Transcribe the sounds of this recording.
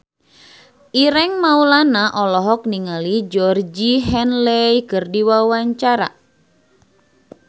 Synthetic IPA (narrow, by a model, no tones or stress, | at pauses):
ʔiɾɛŋmaulanaʔɔlɔɦɔk̚niŋalid͡ʒɔrd͡ʒiɦɛnlɛjkɨrdiwawaɲt͡ʃaɾa̰